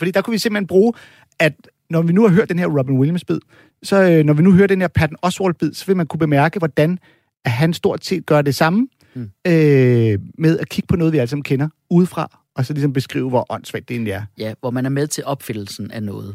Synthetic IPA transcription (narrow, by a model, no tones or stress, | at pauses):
fɒ̽dḭːd̥kʰuʋise̝mb̥l̥enb̥ʁuː | æd̥ | nɒʋinuhɑ̈ɦø̰ɐ̰d̥enhɦe̝ɐ̰ʁɔb̥inwiljmsb̥ið̞̰ˠ | sɒ̽nɒʋinuɦøːɐd̥enheɐpʰæd̥n̩ɒ̽sʋɒld̚b̥ið̰ˠsɒ̽ʋe̝lmænkʰub̥e̝mæɐɡ̥əʋɒd̥æn | æɦænsd̥o̝ɐ̰d̥se̝̰ːd̥̚ɡ̥ɶːɐd̥e̝sɑ̈mə | ø | með̞ˠækʰiɡ̥əpʰɒnɔːðˠʋiæləsɑ̈mn̩kʰenɐ | uð̞̩ˠfʁɑ̈ | ɒ̽sɒ̽lis̬ɒ̽mb̥e̝sɡ̥ʁḭːʊəʋɒʔɒ̽n̰sʋæ̰d̥eenæɐjæʋɒmænæɐmeðˠt͡sʰe̝lʔɒ̽b̥fenl̩sn̩ænɔ̽ːð̩ˠ